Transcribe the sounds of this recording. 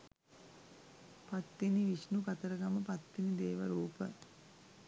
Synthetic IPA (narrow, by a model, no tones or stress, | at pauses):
pat̪ːiniʋiʃnukat̪əɾəkaməpat̪ːinid̪eːʋəɾuːpə